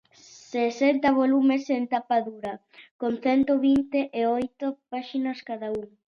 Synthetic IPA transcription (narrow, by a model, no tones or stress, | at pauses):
sesent̪ɐβ̞olumesent̪apaðuɾɐ | konθɛnt̪oβint̪eʔeojt̪opaʃinɐskaðauŋ